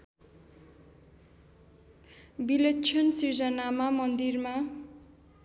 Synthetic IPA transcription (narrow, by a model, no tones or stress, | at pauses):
bilet͡sʰʌnsird͡zʌnamamʌnd̪irma